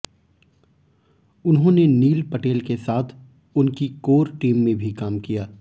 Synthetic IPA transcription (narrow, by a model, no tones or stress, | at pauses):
ʊnɦõneniːlpɐʈeːlkesaːt̪ʰ | ʊnkikoːɾʈiːmːẽbʱikaːmkijaː